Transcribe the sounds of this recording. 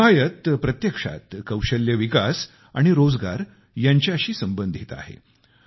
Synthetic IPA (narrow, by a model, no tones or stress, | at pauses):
ajət̪pɾət̪jəkʂa̰t̪kəwɕəljəʋikas | aɽ̃iɾod͡zɡa̰ɾ | jaɲt͡ɕaəɕiːsəmbənd̪ʱit̪a̰ɦḛ